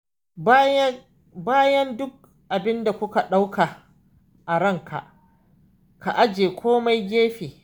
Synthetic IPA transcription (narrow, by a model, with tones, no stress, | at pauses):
baː˦jɐ˦ndʊ˦k̚ | ʔa˨bɪ˦nda˨kʷʊ˦ka˨ɗa˦wkʰa˨ | ʔa˨ɽɐ˦˨ŋkʰa̰˨ʔ | ka˨ʔa˦d͡ʒeː˨kʷʰoː˦ma˦jɡʲeː˦ɸeː˨